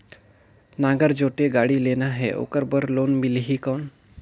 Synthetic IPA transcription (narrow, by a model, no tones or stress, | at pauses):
naɡəɾd͡ʒoʈeɡaɽilenaɦḛʔo̰kəɾbəɾlonmilɦikən